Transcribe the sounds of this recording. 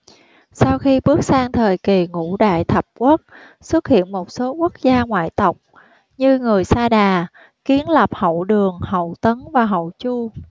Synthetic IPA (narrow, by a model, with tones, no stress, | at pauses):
sa˧wxi˧ɓɨ˦˥ək̚saː˧ŋt̪ʰəː˨˩jki˨˩ŋṵ˧˥ɗa̰ː˧˨jt̪ʰə˨˩p̚kwə˦˥t̚ | swə˦˥t̚hḭ˧˨ənmo˨˩t̚so˨˦kwu˦˥ək̚zaː˧ŋwa̰ː˧˨jt̪ə˨˩wk͡p̚ | ɲɨ˧ŋɨ˨˩əjsaː˧ɗaː˨˩ | ki˨˦ənlə˨˩p̚hə̰˧˨wɗɨ˨˩əŋhə̰˧˨wt̪ə˨˦nvaː˨˩ɦə̰˧˨wt͡ɕu˧